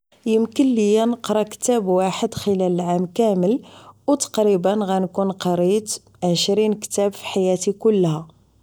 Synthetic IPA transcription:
jəmkənːəjænəqɾˤɑkt̪æbwaħəd̪xəlæləlʕamkæməlwt̪ɑ̥qɾibənɣænkunqɑɾit̪ | ʕəʃɾinkt̪æbfi̥ħajæt̪ikʊlːhæ

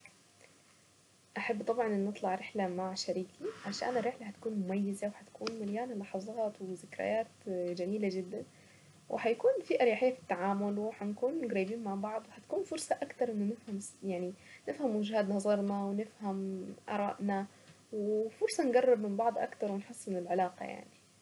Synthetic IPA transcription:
ʔaħabːt̪ˤɑbʕɑnʔɪnːɨt̪ˤlɑʕɾɪħlamaʕʃaɾiːkʰiʕaʃa̰ːnɪɾːɪħlahat̪ḁkuːnmʊmajːɪzawɪħat̪ḁkʰuːnmaljaːnlːɑħɑzˤɑːt̪wɪzɪkɾa̰jaːt̪d͡ʒamiːlad͡ʒɪd̪ːan | wʔɪ̰ħajakuːnfiʔaɾˤjaːħɪjːafi̥t̪ːaʕaːmʊlwɪħankuːnɪɡɾjːbiːnmaʕbɑʕd̪ˤwɪhat̪ḁkuːnfʊɾsˤɑʔakt̪ɑɾˤʔɪnːʊnɪfhamjaʕninɪfhamwʊʒhaːd̪nɑzˤɑɾˤnawnɪfhamʔɑ̰ɾˤɑ̰ːʔna | wɪfʊɾˤsˤɑnɡarˤːɪbmɪnbɑʕd̪ˤʔa̰kt̪ɑɾˤwɪnħɑsˤːɪnɪlʕɪlɑːqɑ̰ja̰ʕni

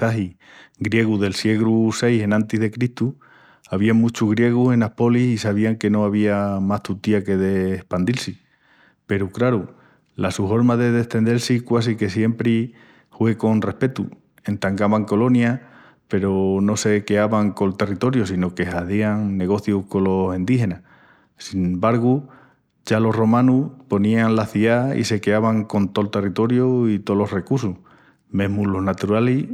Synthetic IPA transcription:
aɦi | ɡɾje̞ɣ̞uðe̞lsje̞ɣɾuse̞jhe̞nãnt̪iɦðe̞kɾiht̪u | aβ̞iaŋmut͡ʃuɦɣɾje̞ɣ̞use̞nahpo̞lisisaβiaŋke̞no̞aβiamaht̪ut̪iake̞ðe̞ːhpand̪ilsi | pe̞ɾukɾaɾu | lasufo̞ɾmaðeðe̞ht̪e̞nd̪e̞lsikwas̬ike̞sje̞mpɾi | fwe̞ko̞nre̞hpe̞t̪ṵ | e̞nt̪aŋɡaβaŋko̞lo̞nja | pe̞ɾono̞se̞ke̞aβaŋko̞lt̪e̞rit̪o̞ɾjosino̞ke̞haðiaŋne̞ɣ̞o̞θjuko̞lo̞sind̪iɦe̞na | sinmbaɾɣ̞u | ʝalo̞ɦro̞mãnupo̞nĩanlaθiaḭse̞keaβaŋko̞nt̪o̞lt̪e̞rit̪o̞ɾjoit̪o̞lo̞hre̞kusuh | mẽɦmulo̞ɦnat̪uɾali

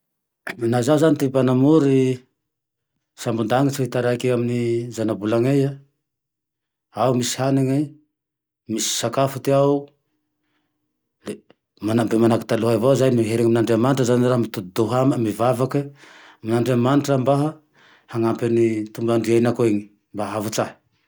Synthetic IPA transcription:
nazazanit̪epanamuɾi | sambund̪aŋit͡siait̪aɾakeaminizanabulaŋeja | awmisi̥haniŋa | misi̥sakafut̪eaw | le | manabemanaki̥t̪aluɦaivozajmiɦeɾeŋaminaɳɖ͡ʐeamanʈ͡ʂəzaniraɦəmit̪ud̪ud̪oɦamamivavakə | minaɳɖ͡ʐeamanʈ͡ʂambaɦə | haŋampanit̪umbaɳɖ͡ʐiajnakueŋi | mbaɦavut͡sahi̥

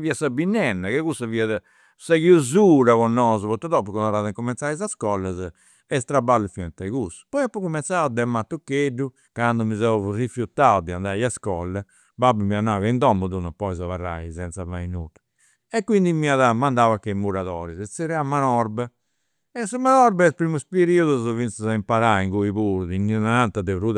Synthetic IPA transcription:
viːasabinːɛnːakɛkusaviːaðɛ | saɣjuzuːɾakɔnːɔːzɔpɔɾt̪ɔðɔpːukɔnd̪aɾaðɛŋkɔmɛnt̪saizaskɔlːaz | ɛst̪ɾabalːɛfiɛnt̪ajɣusu̥pɔjapːɔkumɛnt̪saud̪ɛmːat̪ːukːeɖːu | kand̪ɔmizavurifjut̪ːaɔd̪iand̪ajaskɔlːɛ | babːumianavɛind̪ɔmuðunɔpɔizaβara̰izɛnt̪savainuːtɛ | ɛkːwind̪imiaðamːand̪aːvakːɛmuɾaðɔːɾɛzɛt̪sɛɾɛamanɔɾbɛ | ɛsumanɔɾbɛspɾimuspeɾiːɔðuzvinsuzaimpaɾaiŋɡuiβuɾðininanant̪ad̪ɛɾuð

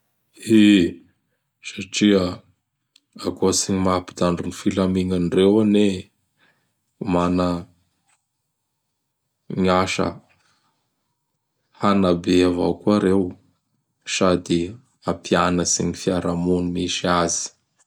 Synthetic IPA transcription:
e | saʈ͡ʂiə | akosiɲimapid̪aɳɖ͡ʐunifilamiŋanirewane | manə | ɲaʃə̰ | hanabeava̰wkuaɾew | sad̪e | apianəsiɲifiaɾamunimiʃiazi̥

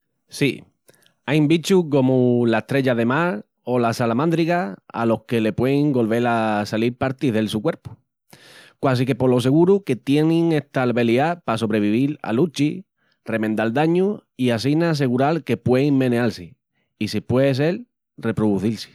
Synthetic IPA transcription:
sḭ | ajmbit͡ʃuko̞mulaest̪ɾe̞ʝaðe̞maɾ | o̞lasalamãnd̪ɾiɣaa̰lo̞hke̞le̞pwe̞iŋɡo̞lβe̞lasaliɾpaɾt̪iðelsukwe̞ɾpu̥ | kwas̬ike̞po̞lo̞s̬e̞ɣ̞uɾuke̞t̪je̞nĩŋe̞ht̪aːlβe̞liapas̬o̞βɾe̞βiβ̞ila̰lut͡ʃi | re̞mẽnd̪ald̪aɲuiasinas̬e̞ɣuɾalke̞pwe̞mbe̞nealsiː | sipwe̞es̬e̞l | re̞pɾoðuθilsi̥

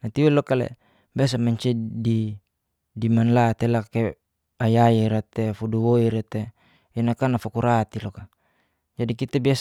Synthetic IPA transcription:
nat̪iwelɔkalḛ | bias̬amaɲt͡ʃidi | dimanlat̪elakːe | ajaiɾat̪efuduwoiɾat̪e | inakanafakuɾat̪ilɔka | d͡ʒadikit̪abias

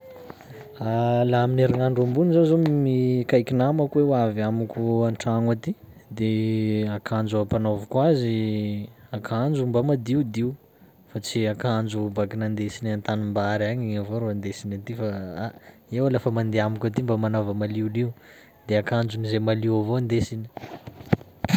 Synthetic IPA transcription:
alaamineɾaŋaɳɖ͡ʐumbunizazomikajkinamakwewaviamakʲuaɳʈ͡ʂaŋat̪i | d̪eakʰand͡ʒaapanovukwazi | akʰand͡ʒumbamad̪iud̪iu | fat͡siakand͡ʒubakinand̪esinant̪animbaɾiaɲaɲvoɾoand̪esinat̪ifaa | ewlafəmand̪eamakat̪imbamanavəmaliuliu | d̪̥eakand͡ʒunizemaliwavoand̪esini̥

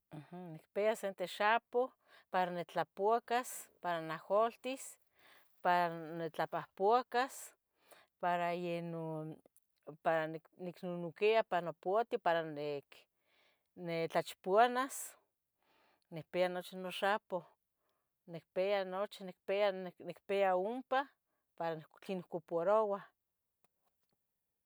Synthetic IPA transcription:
hnikpeasent̪eʃapo | paɾanet͡ɬapakaspaɾanaholt̪is | paɾanet͡ɬapahpuakas | paɾajeno | paɾa | niknunukiapaɾanopot̪jopaɾanek | net͡ɬat͡ʃpwanas | nek̚peanot͡ʃinoʃapo | nek̚peanot͡ʃinek̚peanikpeaumpa | paɾanet͡ɬinihkʷopuaɾowa

